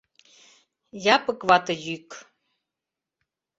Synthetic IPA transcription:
jɑpɤ̆kβɑt̪ɤ̆jyk

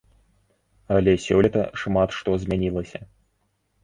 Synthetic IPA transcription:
ɐlʲɛsʲɔlʲit̪ɐ̰ʂmat̪ʂt̪ɔzʲmʲanʲilˠɐsʲɐ

